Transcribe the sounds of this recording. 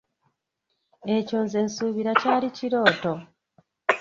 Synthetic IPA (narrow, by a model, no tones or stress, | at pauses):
e̞coːnze̞ːnsuːβiɾacaːliciɾo̞ːto̞